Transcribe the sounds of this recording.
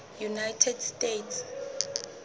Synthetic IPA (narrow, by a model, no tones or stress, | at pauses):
junajtʰɛdstʼetʰs